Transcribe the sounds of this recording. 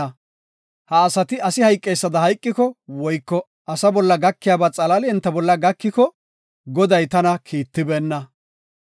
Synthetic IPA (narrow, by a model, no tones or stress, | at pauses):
ɐ | hɐːsɐt̪ɪɐsɪhɐjkʼːejsːɐd̪ɐhɐjkʼːɪkɔwɔjkːɔ | ʔɐsɐbɔlːɐɡɐkːɪjaːbat͡sʼɐlɐlɪɛnt̪ːɐbɔlːɐɡɐkːɪkɔ | ɡɔd̪ɐjt̪ɐnɐkʰiːt̪ːɪbɛːnːɐ